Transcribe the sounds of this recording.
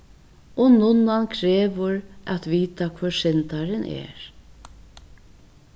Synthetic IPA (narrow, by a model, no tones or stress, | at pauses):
ɔnʊnankʰɾeːʋʊɾat̪viːt̪akʰvʊsɪnt̪aɾɪnʔɛ̰ːɹ